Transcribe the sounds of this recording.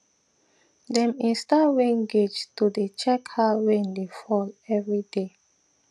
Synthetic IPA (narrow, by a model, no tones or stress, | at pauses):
dɛ̃mĩnstawẽnɡed͡ʒtudet͡ʃɛkhaɹẽndefɔlɛvɹide